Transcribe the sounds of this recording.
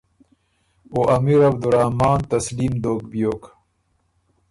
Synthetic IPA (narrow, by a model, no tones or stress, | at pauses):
oʔɐmiːɾɐbd̪uɾahmaːnt̪ɐsliːmd̪oːk̚bijoːk